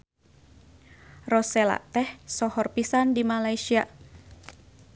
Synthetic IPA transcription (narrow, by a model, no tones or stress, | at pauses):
rɔsɛla̰ʔt̪ɛhsɔhɔrpisandimalaisia